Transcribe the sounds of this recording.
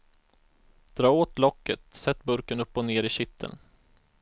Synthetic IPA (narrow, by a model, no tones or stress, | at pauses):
d̪̥ɾɑːoːt̪lɔkːət̪sɛt̪ːbɵɾkənɵpːɔneːɾɪɕɪt̪ʰːə̰n